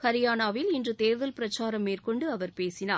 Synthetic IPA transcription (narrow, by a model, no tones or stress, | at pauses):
kɐɾɪjaːnaːʋɪlɪndrɯt̪eːɾðɐlpɪɾɐt͡ʃːaːɾɐmːeːrkɔɳɖɯɐʋɐɾpeːsɪna̰ː